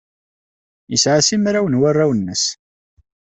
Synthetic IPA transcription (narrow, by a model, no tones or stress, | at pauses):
isʕasimɾawənwarˤːawənːəs